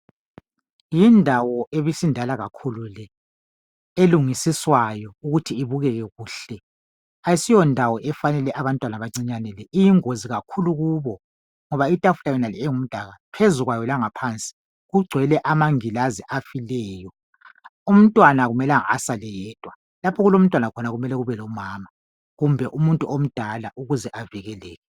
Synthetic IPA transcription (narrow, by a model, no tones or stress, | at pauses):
jindʱawɔʔeβisindʱalaɣakʰululɛ | eluŋisiswajɔuɣutʰiːβuɣɛɣɛɣuːɬɛ | ajisijɔndʱawɔʔɛfanɛlɛʔaβantʼwanaβaŋ͡ǀiɲanɛlɛʔijiŋoziɣakʰuluɣuːβɔ | ŋɔβaitʼafulajɔnaliɛŋum̩d̥ʱaɣapʰezuɣwajɔlaŋapʰant͡sʼi̥ | ɣuɡ͡ǀʱwɛlɛʔamaŋilaziʔafilɛːjɔ | um̩tʼwanaɣumɛlaa̰salɛjɛːtʼwa | lapʰɔɣulom̩tʼwanakʰɔnaɣumɛlɛɣuβɛlɔmaːma | ɣumbʱɛʔumuntʼuʔom̩d̥ʱalaʔuɣuzɛʔaviɣɛlɛːɣɛ